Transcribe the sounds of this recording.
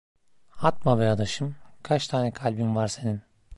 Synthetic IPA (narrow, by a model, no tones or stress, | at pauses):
at̪̚mabɛjad̪aʃɯmkʰat͡ʃt̪ʰaːnɛkʰalʲbimvaɾse̞nin